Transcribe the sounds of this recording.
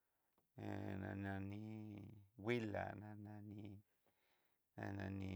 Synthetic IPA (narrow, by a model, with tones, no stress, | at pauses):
nã̰˧nã˧nĩ˧ | wi˦la̰˨nã˧nã˧ni˧ | na˧nã˧ni˧